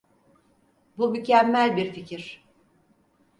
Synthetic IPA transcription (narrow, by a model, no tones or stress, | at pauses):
bumycʰæmːælʲbiɾficʰiɾ̥